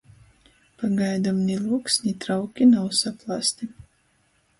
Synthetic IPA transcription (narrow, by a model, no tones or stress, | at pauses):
paɡajd̪amnʲilˠuɔksʲnʲit̪ɾawkʲinawsaplˠast̪i